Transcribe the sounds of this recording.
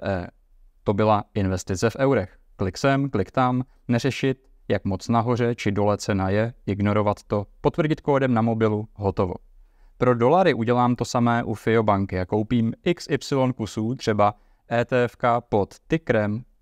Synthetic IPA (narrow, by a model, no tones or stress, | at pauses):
ɛ | t̪o̞bɪlaʔɪnvɛst̪ɪt͡sɛfʔɛwɾɛx | klɪksɛmklɪkt̪am | nɛr̝ɛʃɪt̪ | jakmo̞t͡snaɦo̞r̝ɛt͡ʃɪdo̞lɛt̪t͡sɛnajɛʔɪɡno̞ɾo̞vat̪ːo̞po̞t̪vr̩ɟɪt̪koːdɛmnamo̞bɪluɦo̞t̪o̞vo̞̰ | pɾo̞do̞laɾɪʔuɟɛlaːmt̪o̞samɛːʔufɪo̞baŋkɪako̞wpiːmʔɪksɪpsɪlo̞nkusuːt̪r̥ɛba | ʔɛːt̪ɛːɛfkapo̞t̪ːɪkɾɛm